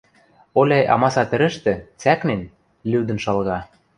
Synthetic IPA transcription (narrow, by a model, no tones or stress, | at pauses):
olʲæjɑ̰mɑsɑt̪ɘ̆ɾɘ̆ʃt̪ɘ̆t͡sæknen | lʲyd̪ə̆nʃɑlɣɑ